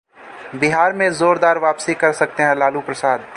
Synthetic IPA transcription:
bɪɦaːɾmẽzoːɾd̪aːɾʋaːpsikɐɾsɐk̚t̪eɦɛ̃laːlupɾɐsaːd̪̚

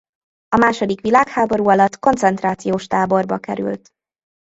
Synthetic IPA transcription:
ɒmaːʃo̞d̪ikʋilaːkhaːbo̞ɾuːɒlɒt̪ːko̞nt̪sɛnt̪raːt̪sijoːʃt̪aːbo̞rbɒkɛ̰ɾy̰lt̪

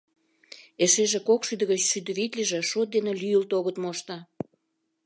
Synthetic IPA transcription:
eʃeʒekokʃyd̪əɣət͡ɕʃyd̪ə̆βit̪lʲiʒĕʃot̪̚d̪enelyjəlt̪oɣət̪moʃt̪ɑ

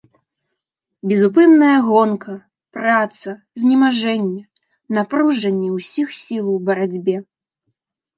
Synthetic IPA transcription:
bʲɛzup̬ɨnːɐjɐɣɔnkɐ | pɾat̪sɐ | zʲnʲimaʐɛnʲːɛ | napɾuʐɐnʲːɛwsʲixsʲilˠwbɐɾad͡zʲbʲɛ

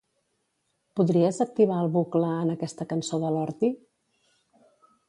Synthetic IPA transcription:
puðɾiəzək̚t̪iβ̞aəlˠβukləːnəkɛst̪əkənsoðəlɔɾt̪i

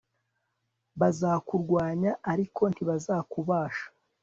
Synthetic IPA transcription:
βazakuɾɡwaːɲaːɾikʰo̞ntiβazakuβaːʃḁ

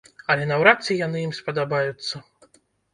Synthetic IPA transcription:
ɐlʲɛnawɾat̪sʲɨjan̪ɨjimspɐd̪abajut̪sːɐ

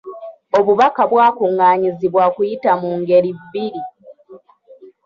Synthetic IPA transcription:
o̞βuβakaβwaːkuŋːaːɲiziβwakujitamuŋɡe̞ɾivːiɾi

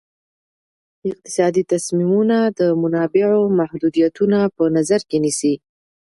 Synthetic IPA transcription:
ɪq̚t̪ɪ̥sɑd̪it̪asmimunad̪əmʊnɑbɪʕomahd̪ud̪ijat̪unapənazaɾkenisi

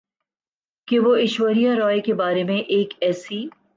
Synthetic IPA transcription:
keʋoɪʃwəɾijaɾɔːekebaːɾemẽʔeːkɛːsi

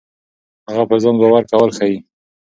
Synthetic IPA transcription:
haɣapəzɑŋɡawaɾkawəlxaji

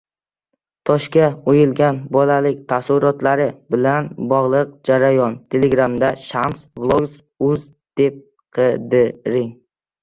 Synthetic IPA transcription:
t̪ʰɒʃkʲaojɪlɡʲanbɒlalɪk̚ʲt̪ʰasʊɾɒt̪ʰlaɾɪbɪlanbɒʁlˠɨq̚d͡ʒaɾajɒnt̪ʰe̞leɡɾamd̪aʃamsvlˠoɡs | ʊz | d̪̥e̞p̚ | qʰɨd̪ɪɾɪŋ

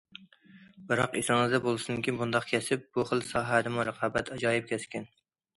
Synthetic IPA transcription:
bɨɾɑ̰qesŋɨzd̪ɛbolˠɨsɪnɨŋkʲʰinbund̪ɑqkʲʰɛsɪp̚buχəlˠsɑːɦæd̪ɨmuɾəqʰɑːbɛt̪ʰɑd͡ʒɑːjip̚kʲʰɛskʲɛn

